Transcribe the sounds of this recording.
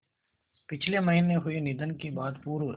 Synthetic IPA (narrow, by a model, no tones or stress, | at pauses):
pɪt͡ʃʰlemɐɦineɦʊenɪd̪ənkebaːd̪puːɾo